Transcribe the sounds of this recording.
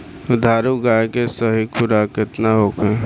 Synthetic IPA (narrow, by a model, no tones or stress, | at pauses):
ʊd̪ʱaːɾuɡaekesəɦikʰʊɾakɪt̪naɦokẽ